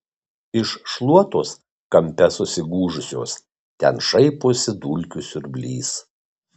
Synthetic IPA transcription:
ɪʃʃlˠuɔt̪oːs | kɐmʲpʲɛsʊsʲɪɡuːʒʊsʲoːs | t̪ʲɛ̰nʃɐɪpoːsʲɪd̪uːlʲkʲʊsʲʊɾbʲlʲiːs

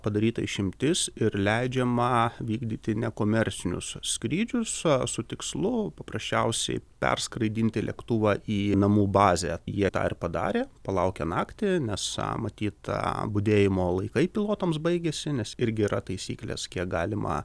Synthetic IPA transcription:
pɐd̪ɐɾʲiːt̪ɐɪʃʲɪmʲt̪ʲɪsɪɾlʲɛɪd͡ʒʲɛmɐʋʲiːɡd̪ʲiːt̪ʲɪnʲɛkoːmʲɛɾʲt͡sʲɪnʲʊ̰ssʲkɾʲiːd͡ʒʲʊssʊt̪ʲɪkslˠʊpɐpɾɐsʲt͡ʃʲɛʊsʲɛ̰ɪpʲɛ̰rskɾɐɪd̪ʲiːnʲt̪ʲɪlʲɛ̰kt̪uːʋɑʔiːnɐmuːbɑːzʲeːjiɛt̪ɑ̰ːɪrpɐd̪ɑ̰ːɾʲeːpɐlˠɐʊkʲɛnɑːkt̪ʲɪnʲɛsmɐt̪ʲiːt̪bʊd̪ʲeːjɪmoːlˠɐɪkɐɪpʲilˠoːt̪oms̬bɐɪɡʲɛsʲɪnʲɛsɪɾʲɡʲɪiɾɐt̪ɐɪsʲḭːklʲḛːskʲiɛkɡɑːlʲɪmʔɐ̰

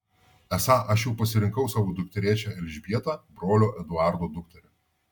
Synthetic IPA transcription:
ɛsɑʔɐʃjɛʊpɐsʲɪɾʲɪŋkɐʊsɑːʋoːd̪ʊk̚t̪ʲɛɾʲiɛt͡ʃʲɛɛlʲʒʲbʲiɛt̪ɑbɾoːlʲoːʔɛd̪ʊɑˑɾd̪oːd̪ʊkt̪ʲɛɾʲɛ

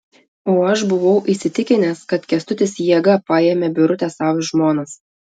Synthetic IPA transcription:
oːɐʃbʊʋɒʊʔiˑsʲɪt̪ʲɪkʲɪnʲɛskɐt̪kʲɛst̪ʊt̪ʲɪsjiɛɡɐpɑjeːmʲebʲʊɾʊt̪ʲɛsɑːʋʒmoːnɐs

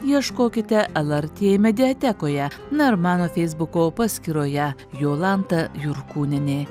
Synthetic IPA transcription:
jiɛʃkoːkʲɪt̪ʲɛʔɛlˠɐɾʲt̪ʲeːmʲɛd̪ʲɪɐt̪ʲɛkoːjɛ | nɐɪɾmɑːnoːfʲɛɪzbʊkoːpɑsʲkʲiːɾoːjɛ | joːlˠɑnt̪ɐjʊɾkuːnʲɪnʲeː

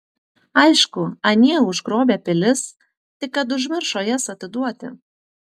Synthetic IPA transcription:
ɐɪʃkʊɐnʲiɛʊʒɡɾoːbʲeːpʲɪlʲɪs | t̪ʲɪkːɐt̪̬ʊʒʲmʲɪɾʃoːjɛsɐt̪ʲɪd̪uɔt̪ʲɪ̰

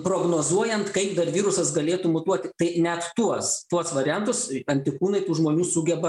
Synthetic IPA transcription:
pɾoːɡnoːzuɔjɛnt̪kɐɪpd̪ɐrʋʲiːɾʊsɐsɡɐlʲeːt̪uːmʊt̪uɔt̪ʲɪt̪ɐɪnʲɛt̪t̪uɔst̪uɔsʋɐɾʲɪjɛnt̪ʊsɐnʲt̪ʲɪkuːnɐɪt̪uːʒmoːnʲuːsʊɡʲɛbɐ

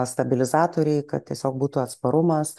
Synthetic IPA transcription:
st̪ɐbʲɪlʲɪzɑːt̪oːɾʲɛɪkɐ̰t̪̚tʲiɛsʲoːk̚buːt̪uɐt̪spɐɾʊmɐs

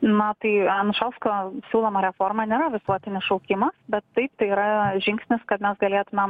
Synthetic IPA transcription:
nɐt̪ɐɪɐnʊʃɐlˠskoːsʲuːlˠoːmɐɾʲɛfoːrmɐnʲeːɾɐʋʲɪsuɔt̪ʲɪnʲɪsʃɐʊkʲɪmɐsbʲɛt̪ːɐɪp̚t̪ɐɪiːɾɐʒʲɪŋksʲnʲɪskɐt̪mʲɛsɡɐlʲeːt̪ʊmʲɛm

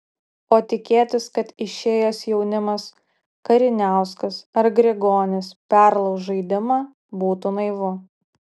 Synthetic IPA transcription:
oːt̪ʲɪkʲeːt̪ʲɪskɐt̪ɪʃʲeːjoːsjɛʊnʲɪmɐs | kɐɾʲɪnʲæˑʊskɐsɐɾɡɾʲeɡoːnʲɪspʲæˑɾlˠɒʊsʒɐɪd̪ʲɪmɑː | buːt̪ʊnɐɪʋʊ

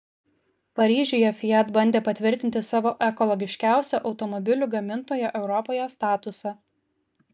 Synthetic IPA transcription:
pɐɾʲiːʒʲujɛfʲɪjɛt̪bɐnʲd̪ʲeːpɐt̪ʲʋʲɪɾʲt̪ʲɪnʲt̪ʲɪsɑːʋoːʔɛkɔlˠɔɡʲɪʃʲkʲæˑʊsʲoʔɒʊt̪ɔmɔbʲɪlʲuːɡɐmʲɪnt̪oːjɛʔɛʊɾɔpoːjɛst̪ɑːt̪ʊsɑ

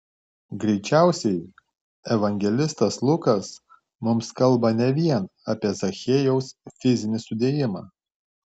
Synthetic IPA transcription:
ɡɾʲɛɪt͡ʃʲæˑʊsʲɛɪ | ɛʋɐŋʲɡʲɛlʲɪst̪ɐslˠʊkɐs | mʊmskɐlˠˑbɐnʲɛʋʲiɛnɐːpʲiɛzɐxʲeːjɛʊsfʲɪzʲɪnʲɪsʊd̪ʲeːjɪmɑ̰ː

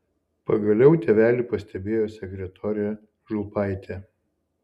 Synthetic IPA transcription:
pɐɡɐlʲɛʊt̪ʲɛʋʲæːlʲipɐsʲt̪ʲɛbʲeːjoːsʲɛkʲɾʲɛt̪ʰɔːɾʲɛ | ʒʊpɑɪt̪ʲɛ

